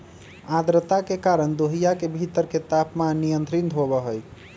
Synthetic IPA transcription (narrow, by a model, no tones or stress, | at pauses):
ad̪ɾət̪akekaɾənd̪oɦijakebʱit̪əɾket̪apmanːijənt̪ɾint̪ɦobəɦəj